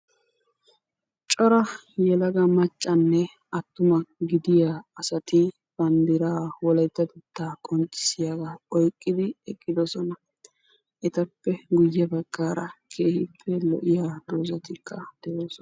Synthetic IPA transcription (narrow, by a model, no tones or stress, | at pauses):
t͡ʃʼɔɾɐjɛlɐɡɐmɐt͡ʃʼːɐnːɛ | ʔɐt̪ːʊmɐɡɪd̪ɪjaːɐsɐt̪ɪ | b̥ɐnd̪ɪɾaːwɔlɛjt̪ːɐd̪ʊt̪ːaːkʼɔnt͡ʃʼːɪ̥sɪjaɡaɔjkʼːɪd̪ɪɛkʼːɪd̪ɔsɔnɐ | ʔɛt̪ɐpːɛɡʊjːɛbɐɡ̥ːaːɾɐkʰeːhɪpʰːɛlɔ̰ʔɪjaːd̪̥oːzɐt̪ɪkʰːɐd̪̥ɛjoːsɔn